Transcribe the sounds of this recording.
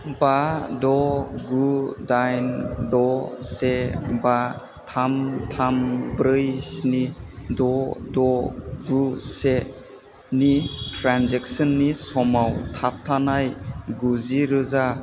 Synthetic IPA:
badɔɡudajndɔseba | tʰamtʰambɾɯjsnidɔdɔɡuse | nitɾanzɛk̚sɔnːisɔmawtʰap̚ʰtʰanajɡuziɾɯza

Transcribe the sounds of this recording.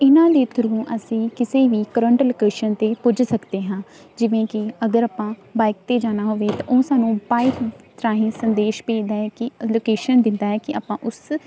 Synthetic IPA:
ɪnãːd̪eːt̪əɾũːʔəsĩːkɪseːʋiːkəɾəɳʈloːkeːʃənt̪eːpʊd͡ʒsəkd̪eːɦãː | d͡ʒɪʋẽːkɪəɡəɾaːpãːbaːɪk̚t̪eːd͡ʒaːnaːɦoːʋeːt̪ã̰ːʔõːsaːnũːbaːɪkt̪ɾaːɦɪ̃ːsənd̪eːʃpẽːd̪aːɦɛːkɪloːkeːʃənd̪ɪnd̪aːɦɛːkɪʔa̰ːpãːʔʊs

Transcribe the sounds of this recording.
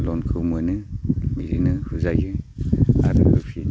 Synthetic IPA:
lɔnkʰɯmɯnɯmiɾinɯhuzajɯ | a̰ɾɯ̰ɯpʰi

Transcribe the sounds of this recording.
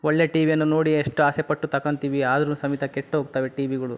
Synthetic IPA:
ɔɭːeʈiːʋijɐnːunoːɽieʂʈːuaːsepɐʈːut̪ɐkɐnt̪iːʋiaːd̪ɐɾusɐmit̪ɐkeʈːɦoːɡ̚t̪aːʋeʈiːʋiɡɐɭu

